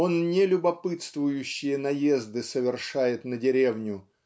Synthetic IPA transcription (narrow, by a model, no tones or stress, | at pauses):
o̞nnʲɪlʲʊbɐpɨt̪st̪vʊjʉɕːɪjənɐje̞zd̪ɨsəvʲɪrʂajɪt̪nədʲɪɾʲevnʲʊ